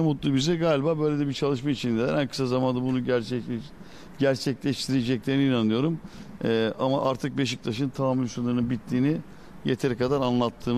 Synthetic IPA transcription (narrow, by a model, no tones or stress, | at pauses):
mut̪lˠuːbizɛɡaːlʲibaːbø̞jlʲed̪ɛbit͡ʃʰalˠɯʃmait͡ʃʰind̪ed̪æ̰ɾænkʰɯ̥sazamand̪abunuɟɛ | ɟæɾt͡ʃʰɛclʲɛʃt̪ʰiɾed͡ʒɛclʲeɾiniːnanˠɯjo̞ɾumː | ʔama̰ʔaɾt̪ʰɯk̚be̞ʃ̬ik̚t̪ʰaʃɯnt̪ʰaamːʲylʲsunaɾɯnɯnbit̪ʰːiːni | jet̪ʰeɾɛkad̪aɾanlˠat̪ʰːɯːm